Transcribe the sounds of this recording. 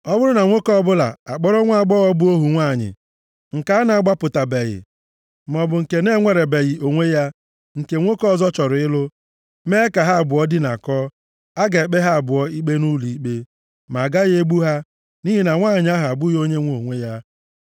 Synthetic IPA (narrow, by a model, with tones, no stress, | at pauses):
ɔ˦bʊ˦ɾʊ˦na˨ŋʷo˦kɔ˦bʊ˦la̰˨a˨k͡pɔ˦ɾɔ˦ŋʷa˦˨ɡ͡bɔ˦ɔ˦bʊ˦o˦ɦu˨ŋʷa˦˨ɲɪ̰˨ | ŋ̩˨ka˦na˨a˦˨ɡ͡ba˦pʊ˨ta˨be˨ɣɪ̰˨ | m̩˨ɔ˨bʊ˨ŋ̩˨ke˨ne˦ŋʷe˨ɾe˨be˨ɣɪ˨ʔo˨ŋʷe˦ja˦ | ŋ̩˨ke˨ŋʷo˦kɔ˦˨zɔ˦t͡ʃɔ˨ɾʊ˨ɪ˦lʊ˦ | me˦ka˨ɦa˦a˨bʊ˨ɔ˦dɪ˦na̰˨kɔː˦ | a˦ɡa˨e˨k͡pe˦ɦa˦a˨bʊ˨ɔ˦i˦k͡pe˦nu˦li˨i˦k͡pe˦ | ma˨ɡa˦ɣɪ˦e˦ɡ͡bu˦ɦa˦ | ni˦ɦi˦na˨ŋʷa˦˨ɲɪ˨˦a˦ɦa˨bʊ˦jo˦ɲe˦ŋʷo˨ŋʷe˦ja˦